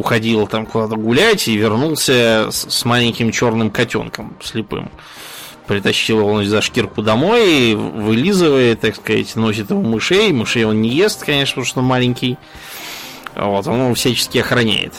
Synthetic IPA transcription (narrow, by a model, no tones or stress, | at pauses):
ʊxɐdʲilˠt̪amkʊd̪at̪əɡʊlʲætʲivʲɪrnulˠsʲəsmalʲɪnʲkʲɪmt͡ɕo̞rnɨmkɐtʲo̞̰nkəmsʲlʲɪpɨ̰m | pɾʲɪt̪ɐɕːilˠɪvonzɐʂkʲirkʊd̪ɐmo̞jvɨlʲizɨvəjɪt̪ːakskɐza̰tʲno̞s̬ʲɪt̪ɪvomɨʂejmɨʂejo̞nnʲɪjest̪kɐnʲeʂnəpt̪oʂt̪onmalʲɪnʲkʲɪj | vo̞t̪o̞nonfsʲæt͡ɕɪ̥skʲɪɐxɾɐnʲæ̰jɪ̰t̪